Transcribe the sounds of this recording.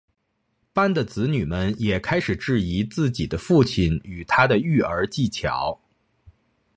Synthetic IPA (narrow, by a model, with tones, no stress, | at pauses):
pa˥nd̪ə˨t͡sɹ̩˧˥ny˨˩mə˧njɛ˨˩kʰa˥ɪʂɻ̩˨˩ʈ͡ʂɻ̩˥˩i˧˥t͡sɹ̩˥˩t͡ɕi˨˩d̪ə˦fu˥˩t͡ɕʰi˨˩ny˨˩t̪ʰa˥d̪ə˨y˥˩ə˞˧˥t͡ɕi˥˩t͡ɕʰjɑ̰˧˥ʊ